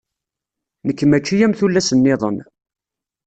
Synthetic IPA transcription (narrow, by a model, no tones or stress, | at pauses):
nəkːmæt͡ʃːijæmθulːæsənːɪðˤə̰n